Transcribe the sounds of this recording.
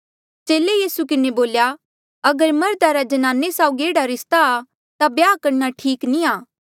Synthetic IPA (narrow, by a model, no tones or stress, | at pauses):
t͡ʃeːlejiːsukɪneboːlja | ɐɡəɾmɐɾd̪aɾad͡ʒɐnãːnːesaːʊɡieːɽaɾɪst̪aː | t̪abjaːkɐɾnaʈʰiːknĩaː